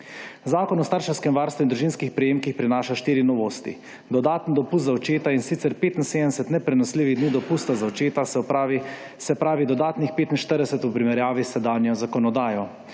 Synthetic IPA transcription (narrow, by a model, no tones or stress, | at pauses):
zaːkɔnɔst̪aːɾʃɛwskɛmʋaːɾst̪ʋuind̪ɾuʒinskixpɾɛjeːmkixpɾinaːʃaʃt̪iːɾinɔʋoːst̪ḭ | d̪ɔd̪aːt̪nd̪ɔpust̪zaɔt͡ʃeːt̪ainsit̪sɛɾpeːt̪in̩seːd̪ənɛsɛt̪nɛpɾɛnɔsliːʋiɣd̪niːd̪ɔpust̪azaɔt͡ʃeːt̪asɛpː | sɛpɾaːʋid̪ɔd̪aːt̪nixpeːt̪inʃt̪əɾd̪ɛsɛt̪upɾimɛɾjaːʋisɛd̪anjɔzakɔnɔd̪aːjɔ